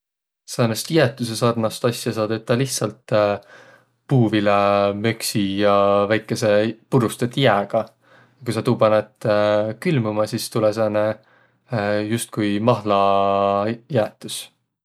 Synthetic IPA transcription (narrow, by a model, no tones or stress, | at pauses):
seːnest̪jæt̪ːˑus̬esɑrnɑst̪ɑsʲjɑsɑːd̪̥et̪ːɑlihtsɑlt̪ː | puːvilemøksijɑvæjkːˑe̞se̞puɾust̪et̪ːjæːɡ̥ɑ | jɑkujsɑt̪uːpɑnet̪kylmumɑsist̪ulɛseːnːe | just̪̚kujmɑɦlɑ | jæːt̪ːˑus